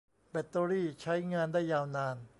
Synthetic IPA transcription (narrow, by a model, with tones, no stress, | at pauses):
pe˨˩t̪ːoː˧ɾiː˥˩t͡ɕʰa˦˥jŋaː˧ndaː˥˩jːaː˧wnaː˧n